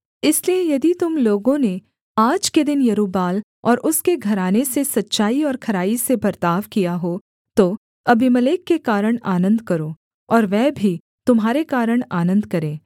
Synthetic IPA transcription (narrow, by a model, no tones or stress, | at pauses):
ɪsliejɐd̪it̪ʊmloːɡõne | aːd͡ʒked̪ɪnjɐɾuːbaːl | ɔːɾʔʊskeɡʱɐɾaːnesesɐtːʃaːiɔːɾkʰɐɾaːisebɐɾt̪aːʋkijaɦoː | t̪o | ɐbimɐleːkːekaːɾəɽ̃aːnə̃nd̪kɐɾoː | ɔːɾʋɛːbʱi | t̪ʊmɦaːɾekaːɾəɽ̃aːnə̃nd̪kɐɾẽː